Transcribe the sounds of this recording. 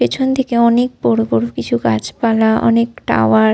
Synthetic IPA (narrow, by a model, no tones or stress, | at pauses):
et͡ɕʰont̪ʰekeɔnek̚bɔɾobɔɾokit͡ɕʰukat͡ɕpalaʔɔ̰nekʈa̰oa